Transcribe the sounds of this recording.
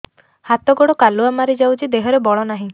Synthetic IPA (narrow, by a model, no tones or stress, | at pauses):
hat̪ɔɡɔɽɔkaluamaɾid͡ʒawt͡ʃʰid̪eɦɔɾebɔɭɔnaɦĩ